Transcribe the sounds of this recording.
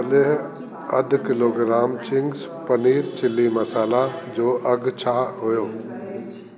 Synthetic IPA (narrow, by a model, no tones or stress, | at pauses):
le | ɐ̰d̪ʱkɪloːɡɾaːmt͡ɕɪ̃ŋɡspɐniːɾt͡ɕɪlːimɐsaːlad͡ʑoːʔɐɡt͡ɕʰaːɦʊjoː